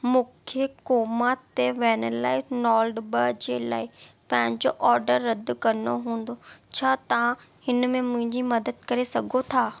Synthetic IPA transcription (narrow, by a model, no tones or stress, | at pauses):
mũːkʰekoːmat̪eʋɛːñəlaːɪnɔːlɖbɐd͡ʑeːlaːɪ | pɐ̃ɦɪ̃ɲd͡ʑoʔɔːɾɖəɾːɐd̪ʊkɐnoɦũːn̆d̪ot͡ɕʰaːt̪ɐã | hɪnmẽmʊ̃ɦɪ̃ɲd͡ʑimɐd̪əd̪̚kɐɾesɐɡʱot̪ʰaː